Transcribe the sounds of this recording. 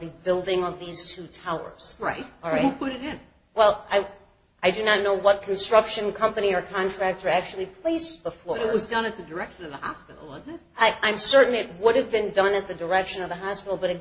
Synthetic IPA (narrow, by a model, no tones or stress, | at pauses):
ðɨbɪlˠdɪ̃ŋʌvðiz̥tʰʉtʰaʊə̰˞z̥ɹaɪt̚ˠɹaɪhupʰʊɾɨɾɪ̃n | wɛlˠaɪ | ʔaɪdɨnɨtⁿnoʊwʌt̚kʰn̩stɹ̥ʌkʃɨ̃nkʰʌ̃mpɨñiə˞kʰɑ̃ntʰɹ̥æk̚tə˞æk̚t͡ʃul̩ˠipʰl̥eɪsb̥əfɔʌɹɾɨtɹ̚wʌzdʌ̃nɨt̪̚ðɨdə˞ɛkʃɨ̃nʌvðəhɑ̰spɪ̰ɾl̩ˠwʌzn̩ɪ | aɪʔãɪ̃msɜ˞ʔn̩ɨt̚wʊɾɨvbɨ̃ndʌ̃nɨt̪̚ðɨdə˞ɛkʃɨ̃nʌvðəɦɑspɪɾl̩ˠbʌɾɨ